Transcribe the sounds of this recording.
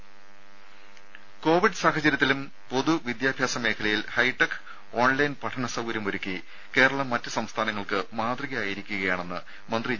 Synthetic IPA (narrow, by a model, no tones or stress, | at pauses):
ko̞ːʋiɖsaːɦɐt͡ɕːɐɾjɐt̪ːilum | po̞ðuʋid̪jaːbʱjaːsɐme̞ːkʰɐlɐjilhɐjʈːɐk | o̞ːnlɐjnpɐʈʰɐɳɐsɐʋuɾɐmoɾukːi | ke̞ːɾɐɭɐmːɐtːɨsɐmst̪ʰaːnɐŋːɐɭkɨmaːd̪riɣɐaːjiɾikʲːuɣɐjaːɳe̞nːɨ | mɐnd̪ri